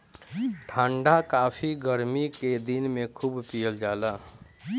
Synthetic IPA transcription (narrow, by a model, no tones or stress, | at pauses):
ʈʰãːɳɖakaːpʰiɡəɾmiked̪inmẽkʰuːbpijəld͡ʒaːla